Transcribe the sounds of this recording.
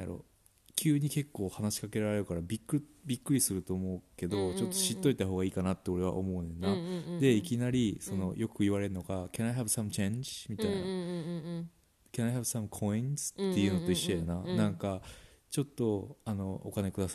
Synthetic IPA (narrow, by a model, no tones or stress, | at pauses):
ja̰ɾo̰ | kʲʰɨːɲ̟ike̞kːo̞ːhanaɕi̥kake̞ɾaɾe̞ɾɯ̟kaɾabʲikːɯbʲikːɯɾʲisɨɾɯ̟t̪o̞ːmo̞ɯke̞d̪o̞t͡ɕo̞t̪ːo̞ɕit̪ːo̞it̪aɦo̞ːɣaiːkanat̪ːe̞o̞ɾe̞βa̰ʔo̞̰mo̞ɯnẽ̞nːad̪e̞ikʲinaɾʲiso̞no̞̰jʔo̞kɯ̟iβaɾe̞ɾɯ̟no̞ɡakʲanaiɦabɯsamɯ̟t͡ɕẽɲd͡ʑi̥mʲit̪aina | kʲanaihabɯ̥samɯ̟kʰo̞ĩnzɨ̥t̪ːe̞jɯ̟no̞t̪o̞iɕːojananãŋka | t͡ɕo̞t̪ːo̞ano̞o̰kanekɯ̟d̪asḁ